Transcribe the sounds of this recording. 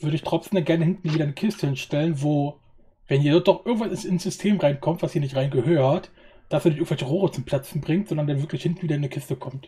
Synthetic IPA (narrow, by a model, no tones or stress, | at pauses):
vʏɐdəɪçtʁ̥ɔt͡sm̩danɡɛɐnəhɪntn̩viːdɐnəkʰɪstəhɪnʃtɛlənvoː | vɛniːɐdɔt̚d̥ɔχʔɪɐɡŋ̩tvanɪnsɪnsz̥ʏstʰeːmʁaɪnkʰɔmtv̥asd̥iːɐnɪçtʁaɪnɡəhøːɐhat | d̥asɛːɐnɪçtɪŋ̩tvɛlçəʁoːʁət͡sʊmpʰl̥at͡sn̩bʁɪŋtz̥ɔndɐndanvɪɐklɪçhɪntn̩viːdɐɪnəkʰɪstəkʰɔmt